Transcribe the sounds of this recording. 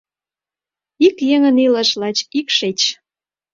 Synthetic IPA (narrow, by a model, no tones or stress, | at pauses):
ikjeŋənilə̆ʃlɑt͡ɕikʃet͡ɕ